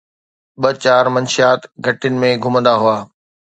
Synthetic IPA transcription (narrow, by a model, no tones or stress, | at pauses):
ɓɐt͡ɕaːɾmɐnʃijaːt̪ɡʱɐʈɪʊnɪ̆mẽɡʱʊmə̃nd̪aɦʊaː